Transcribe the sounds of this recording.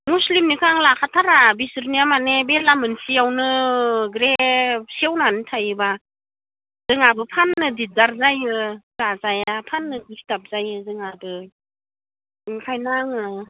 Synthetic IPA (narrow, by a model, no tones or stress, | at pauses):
muslimnikʰaŋlakʰatʰaɾabisɯɾniamanebelamɯnsijawnɯɡɾesiawnanɯtʰajɯba | z̥ɯŋabɯpʰanːɯdit̚zaɾzajɯzazajapʰanːɯkistap̚zajɯzɯŋabɯ | ŋkʰajnaŋɯ